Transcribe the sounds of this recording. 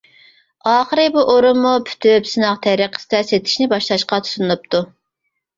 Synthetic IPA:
ɑːχəɾɨbuʔoɾumːupʰy̥t̪ʰypsɨnɑqt̪ʰɛɾiqʰə̥st̪ɛset̪ʰɪ̥ʃnɪbɑʃlˠɑʃqɑt̪ʰu̥sunnup̚t̪ʰu

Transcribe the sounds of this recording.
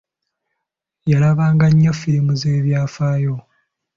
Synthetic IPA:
jalaβaːŋɡaɲːofiɾimuze̞ːβjaːfaːjo̞

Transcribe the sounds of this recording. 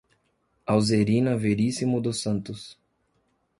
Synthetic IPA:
awzeɾĩnɐveɾisimʊd̪ʊsɐ̃nt̪ʊs

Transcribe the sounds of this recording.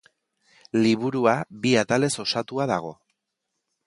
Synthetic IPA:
liβuɾuaβiat̪ale̞so̞sat̪uaðaɣ̞o̞

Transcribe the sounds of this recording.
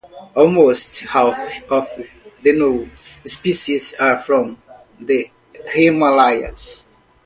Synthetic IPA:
ɔlˠmosthafɔv | ðɨnospiʃizafɹɔ̃m | ðə | hemalajə̰z̥

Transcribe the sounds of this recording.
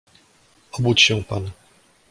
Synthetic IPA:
ɔbut͡ɕɕɛ̃pan

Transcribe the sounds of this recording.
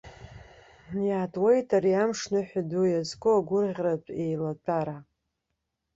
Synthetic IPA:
jaːtʼwejtʼaɾiamʂnɨħʷadujazkʷʼoaɡʷʊrʁʲratʷʼejlatʼaɾa

